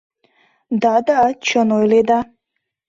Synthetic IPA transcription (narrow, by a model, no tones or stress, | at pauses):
d̪ad̪aːt͡ʃʰənojled̪a